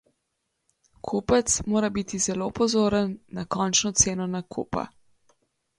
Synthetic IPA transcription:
kʰuːpət̪smoːɾabit̪izɛlopɔzoːɾənːakɔnt͡ʃnɔt̪seːnɔnakʰṵːpa̰

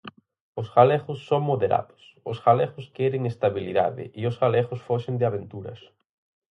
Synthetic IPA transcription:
osɣalɛɣʊsːoŋmoðeɾa̰ðʊ̥s | osɣalɛɣʊskɛɾeŋest̪aβilḭða̰ðɪ̰ʔiosɣalɛɣʊsfoʃend̪ɪaβent̪uɾɐ̰s

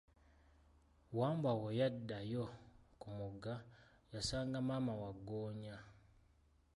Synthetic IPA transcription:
waːmbwawojadːajokumuɡa | jasaːŋɡamaːmawaɡːoːɲa

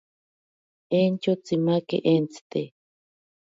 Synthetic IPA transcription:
ent͡ʃot͡simakḛʔent͡si̥t̪e

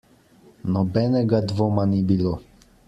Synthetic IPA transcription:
nɔbɛnɛɡad̪vɔmanibilo

